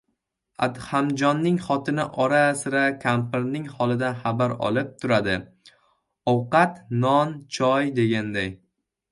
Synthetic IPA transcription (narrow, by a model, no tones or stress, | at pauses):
a̰d̪hamd͡ʒɒnːɪŋχɒt̪ʰɪnɪ̰ʔɒɾasɪɾakʲʰampɪɾnɪŋhɒlˠɪd̪anχabaɾɒ̰lˠɪp̚t̪ʰʊɾad̪ɪ | ɒwqɑt̪nɒnt͡ʃʰɒjd̪e̞ɡʲand̪aj